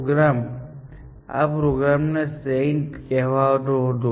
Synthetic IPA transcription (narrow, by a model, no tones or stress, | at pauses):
ɡɾam | a̰pɾoɡɾamnesentkɛɦʋat̪od̪o